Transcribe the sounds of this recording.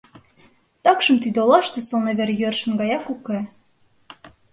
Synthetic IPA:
t̪ɑkʃə̆mt̪id̪eolɑʃt̪ĕsɤlˠneβeɾjørʃə̆nɡɑjɑkuke

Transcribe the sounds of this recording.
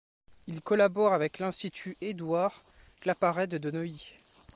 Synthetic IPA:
ilkɔlabɔʁavɛklɛ̃st̪it̪ʰyed̪waʁklapaʁɛd̪əd̪ənɔi

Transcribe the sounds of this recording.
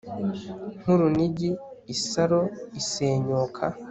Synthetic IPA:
n̥huɾuniɟiːsaɾoiseːɲoːkʰa

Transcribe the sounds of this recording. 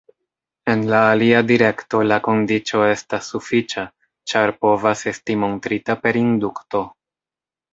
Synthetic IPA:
e̞nlaːliadiɾe̞kto̞lako̞ndit͡ʃo̞e̞stasːufit͡ʃa | t͡ʃaɾpo̞vase̞stimo̞ntɾitape̞ɾindukto̞

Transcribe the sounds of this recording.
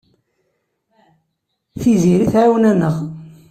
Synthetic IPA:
θiziɾiθʕawnænːəʁ

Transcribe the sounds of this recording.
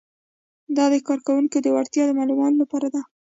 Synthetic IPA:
d̪ɑd̪əkɑɾkawuŋkod̪əwaɾt̪jɑd̪əmɑlumɑnolapɑɾad̪a

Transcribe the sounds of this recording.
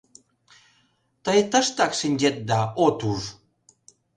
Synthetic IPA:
t̪əjt̪əʃt̪ɑkʃinʲd͡ʑet̪̚d̪ɑot̪uʐ

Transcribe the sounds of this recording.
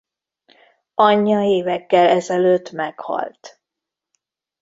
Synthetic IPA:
ɒɲːɒeːvɛkːɛlɛzɛløːt̪mɛkhɒ̰lt̪

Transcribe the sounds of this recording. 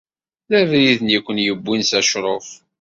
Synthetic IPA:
ðævɾiðənjəkʷːənjəbːinsæʃɾˤof

